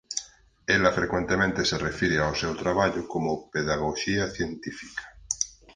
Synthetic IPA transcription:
elɐfɾekwent̪emẽnt̪eserefiɾeawsewt̪ɾaβaʎʊkomʊpeðaɣoʃiaθjent̪ifi̥kḁ

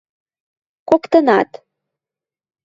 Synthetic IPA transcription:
kokt̪ɤnɑ̰t̪

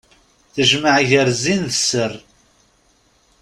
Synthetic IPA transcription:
θəʒməʕʝəɾzinðəsːər

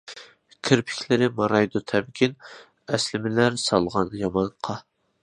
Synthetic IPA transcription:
kʲʰɪɾpʰɪ̥kʲʰlɪɾɪmɑɾɑjd̪ut̪ʰɛb̚kʲʰin | ɛslɪmɪlæɾsɑlˠʁɑnjɑmɑɴqʰɑ

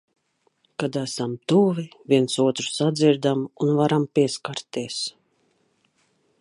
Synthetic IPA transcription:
kad̪æsamt̪uvivʲiɛnsuɔt̪ɾu̥sad̪ziɾd̪amunvaɾampiɛskaɾt̪ːiɛs

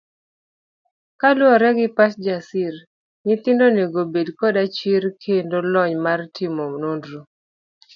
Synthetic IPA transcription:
kalwɔɾɛɡɪpasd͡ʒasiɾ | nɪt̪ɪndoneɡobedkɔdat͡ʃiɾkʰendolɔɲmartɪmomnondɾo

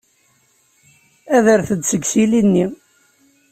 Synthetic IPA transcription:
æðəɾθəd̪səɡsilinːi

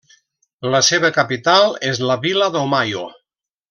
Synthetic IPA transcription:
ləseβəkapit̪alˠezlaβilaðomajo

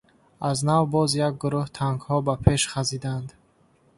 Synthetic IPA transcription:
aznavbɔzjaɡ̚ɡuɾuht̪ʰaŋɡhɔbapʰe̞ʃχazid̪and̪

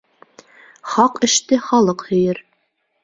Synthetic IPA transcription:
χɑqɘ̆ʃt̪ɘχɒlˠɤqhɵ̆jɘɾ

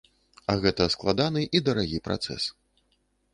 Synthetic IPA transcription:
ɐɣɛt̪ɐsklˠad̪anɨʔid̪ɐɾaɣʲipɾa̰t̪sɛ̰s

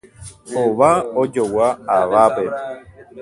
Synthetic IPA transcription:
hoβaod͡ʒowaaβape

